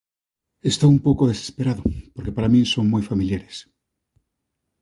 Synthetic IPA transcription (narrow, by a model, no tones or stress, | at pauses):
est̪oumpowkoð̞ese̥speɾaðopoɾke̞paɾamĩnsoŋmujfamiljaɾes